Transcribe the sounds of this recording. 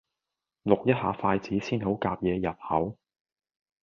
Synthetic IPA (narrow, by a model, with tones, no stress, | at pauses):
lʊ˨k̚jɐ˥t̚haː˨˥faː˧jt͡siː˨˥siː˥nɦo˨˥wkaː˧p̚jɛː˨˧jɐ˨˩t̚hɐ˨˥w